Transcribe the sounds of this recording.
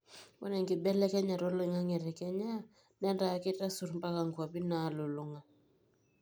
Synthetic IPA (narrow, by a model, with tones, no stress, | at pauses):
bɔ̰˦nɛ˨ŋki˨bɛ˦lɛ˦kɛ˦ɲa˨ɾɔ˦le˦ŋa˦ŋɛ˨ɾɛ˨kɛ˦ɲa˦ | nɛ˦nda˨˦ki˦ta˦su˨ɾmba˦ka˨ŋkwa˨bi˦na˨˦lo˨lo˨˦ŋa˨